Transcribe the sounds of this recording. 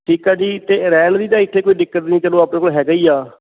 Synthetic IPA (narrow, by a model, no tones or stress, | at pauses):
ʈʰiːkɛːd͡ʒiːt̪eːɾɛːld̪iːt̪ãːɪt̪ʰːeːkoːiːɖɪkːəʈ̪nĩːt͡ʃəlõːaːpneːkoːlɦɛːɡəiːaː